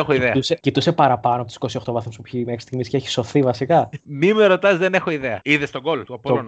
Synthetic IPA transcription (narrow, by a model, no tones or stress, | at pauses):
exoiðet̪usecit̪use̞pɐɾɐpɐnoɐpot̪si̥kosio̞xt̪o̞vɐθumspuçimexɾist̪iɣmisceeçi̥so̞θivɐsikɐmimeɾo̞t̪ɐzðene̞xo̞iðeɐiðest̪oɡo̞lt̪uɐp̪oɾonɐ